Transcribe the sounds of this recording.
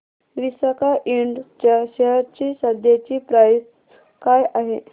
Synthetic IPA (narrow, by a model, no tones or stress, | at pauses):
ʋisəkaʔiɳɖt͡ɕjaɕɛɦəɾt͡ɕiːsəd̪ʱjat͡ɕiːpɾajs | kajʔaɦe